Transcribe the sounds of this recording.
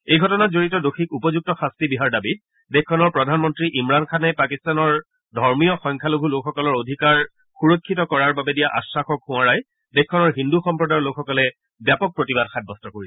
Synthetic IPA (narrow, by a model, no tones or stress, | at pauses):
ejɡʱɔtɔnatzoɹitɔdoxʰikupɔzuk̚tɔxastibiɦaɹdabit̚ | dekkʰːɔnɔɹpɹɔdʱanmɔntɹiʔimɹankʰanɛpakistanɔɹ | dʱɔɹmijɔxɔŋkʰaloɡʱulokxɔkɔlɔɹodʱikaɹ | xuɹokʰːitɔkɔɹaɹbabɛdijaʔa̰sɹaxɔkhũaɹaj | dekkːɔnɔɹɦinduxɔmpɹɔdaɹlokxɔkɔlɛ | bjapɔk̚pɹotibad̚xʰat̚bɔstɔkoɹiɛ